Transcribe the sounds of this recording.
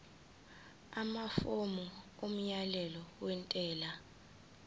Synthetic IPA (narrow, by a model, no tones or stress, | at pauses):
amafomuom̩jalɛlɔwɛntʼɛːla